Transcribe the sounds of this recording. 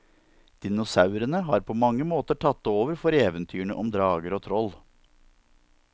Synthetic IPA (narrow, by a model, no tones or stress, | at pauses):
d̪̥ɪnʊsɑʉɾənəɦɑːɾpʰoːmɑŋːəmoːt̪əʈʰɑt̪ːoːʋəɾfɔɾeːʋənt̪ʰyːəɳəʔɔmd̪ɾɑːɡəɾoːt̪ʰɾɔl